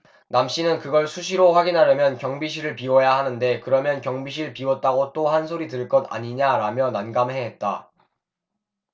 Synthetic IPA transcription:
namɕ͈inɯnkɯɡʌɭsʰuɕ̬ʰiɾoɸwaɡinɦaɾjʌmjʌnkjʌŋbiɕʰiɾɯɭpiwʌjahanɯnde̞kɯɾʌmjʌnkjʌŋbiɕ̬ʰiɭpiwʌt̚t͈aɡot͈ohansʰoɾitɯɭk͈ʌda̰ɲiɲaɾamjʌnanɡamɦeɦet̚t͈a

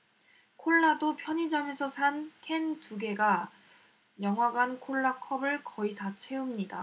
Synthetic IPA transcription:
kʰoɭːadopʰjʌɲid͡ʑame̞sʰʌsʰankʰe̞ntuɡe̞ɡa | jʌŋɦwaɡankʰoɭːakʰʌbɯɭkʌitat͡ɕʰe̞umɲida

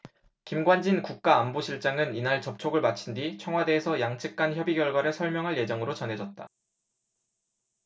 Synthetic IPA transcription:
kimɡwand͡ʑinkuk̚k͈aːmboɕʰiɭt͡ɕ͈aŋɯninaɭt͡ɕʌp̚t͡ɕʰoɡɯɭmat͡ɕʰindit͡ɕʰʌŋɦwade̞ːsʰʌjaŋt͡ɕʰɯk̚k͈ançjʌbiɡjʌɭɡwaɾɯɭsʰʌɭmjʌŋɦaɭje̞d͡ʑʌŋɯɾot͡ɕʌnɦe̞d͡ʑʌt̚t͈a̰

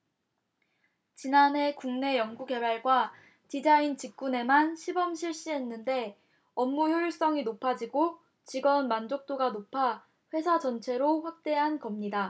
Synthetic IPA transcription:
t͡ɕinanɦe̞kuŋne̞jʌŋɡuɡe̞baɭɡwa | t͡ɕid͡ʑaint͡ɕik̚k͈une̞manɕʰibʌmɕʰiɭɕ͈iɦe̞nːɯnde̞ | ʌmːujjoiɭs͈ʌŋinopʰad͡ʑiɡo | t͡ɕiɡʌnmand͡ʑok̚t͈oɡanopʰa | ɸwe̞sʰad͡ʑʌnt͡ɕʰe̞ɾoɸwak̚t͈e̞ɦankʌmɲida

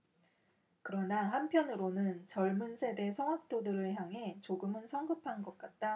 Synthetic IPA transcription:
kɯɾʌnaɦampʰjʌnɯɾonɯnt͡ɕʌɭmunsʰe̞de̞sʰʌŋwak̚t͈odɯɾɯɭçjaŋɦe̞t͡ɕoɡɯmɯnsʰʌŋɡɯpʰanɡʌt̚k͈at̚t͈a

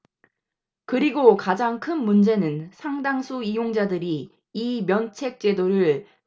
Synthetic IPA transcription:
kɯɾiɡokad͡ʑaŋkʰɯnmund͡ʑe̞nɯnsʰaŋdaŋsʰuijoŋd͡ʑadɯɾiː | mjʌnt͡ɕʰe̞k̚t͡ɕ͈e̞doɾɯɭ

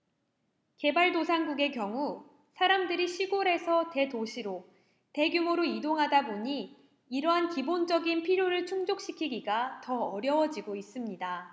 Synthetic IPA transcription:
ke̞baɭdosʰaŋɡuɡe̞kjʌŋu | sʰaɾamdɯɾiɕʰiɡoɾe̞sʰʌte̞toɕʰiɾo | te̞ɡjumuɾoidoŋɦadaboɲiː | ɾʌɦankibond͡ʑʌɡinpʰiɾjoɾɯɭt͡ɕʰuŋd͡ʑok̚ɕ͈ikʰiɡiɡatʌʌɾjʌwʌd͡ʑiɡois͈ɯmɲida

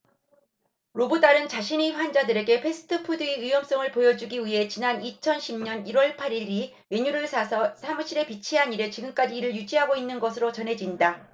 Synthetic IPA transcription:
ɾobɯd͈aɾɯnt͡ɕaɕʰiniɸwand͡ʑadɯɾe̞ɡe̞pʰe̞sʰɯ̥tʰɯpʰudɯiɯjʌms͈ʌŋɯɭpojʌd͡ʑuɡiwiɦe̞t͡ɕinanit͡ɕʰʌnɕʰimɲʌniɾwʌɭpʰaɾiɾi | meɲuɾɯɭsʰasʰʌsʰamɯɕʰiɾe̞pit͡ɕʰiɦaniɾe̞t͡ɕiɡɯmk͈ad͡ʑiːɾɯɭjud͡ʑiɦaɡoinːɯnɡʌsʰɯɾot͡ɕʌnɦe̞d͡ʑinda

